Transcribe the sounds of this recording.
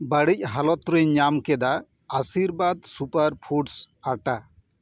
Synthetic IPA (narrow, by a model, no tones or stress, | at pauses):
bəɽic̚ɦalɔt̪ɾeɲamkɛd̪a | asiɾbad̪supaɾpʰuʈs | aʈa